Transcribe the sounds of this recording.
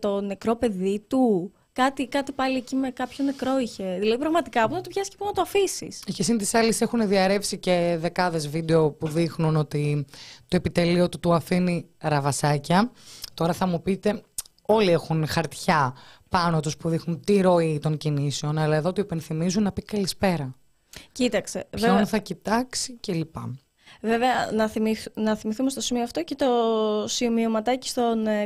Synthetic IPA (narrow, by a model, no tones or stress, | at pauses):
t̪o̞ne̞kɾo̞pe̞ðit̪u | kɐt̪ikɐt̪ipɐliecime̞kɐpço̞ne̞kɾo̞içe̞ðilɐðipɾɐɣmɐt̪ikɐɐpunɐt̪opçɐsi̥cepunɐt̪oɐfisḭscesint̪isɐlisexuneðiɐɾe̞psice̞ðe̞kɐðe̞zvid̪e̞o̞puðixnuno̞t̪it̪oepit̪e̞lio̞t̪ut̪uɐfiniɾɐvɐsɐcɐt̪o̞ɾɐθɐmupit̪e̞ | o̞liexunxɐɾt̪çɐpɐnot̪ospuðixnunt̪iɾo̞it̪o̞ɲciniseo̞nɐlɐeðo̞t̪uipe̞nθimizunːɐpikɐlispe̞ɾɐ | cit̪ɐkseonθɐcit̪ɐksice̞lipɐ̰ | ve̞veɐnɐθiminɐθimiθumst̪osimioɐft̪o̞cet̪o̞simiomɐt̪ɐci̥st̪o̞n